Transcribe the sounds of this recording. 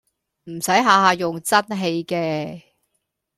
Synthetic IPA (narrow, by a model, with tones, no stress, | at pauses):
m̩˨˩sɐ˨˥jɦaː˨˧haː˨˧jʊ˨ŋt͡sɐ˥nɦe˧jkɛː˧